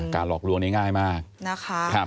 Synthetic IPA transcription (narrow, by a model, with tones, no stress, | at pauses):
kaː˧nlɔː˨˩k̚lu˧əŋna˥˩ŋaː˥˩jmaː˥˩k̚na˧˩kʰa˦kʰa˦˥˩